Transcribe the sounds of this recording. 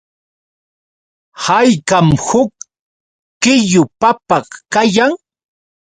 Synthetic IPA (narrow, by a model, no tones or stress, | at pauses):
hajkamhʊkː | ɪjʊpapɑχkajaŋ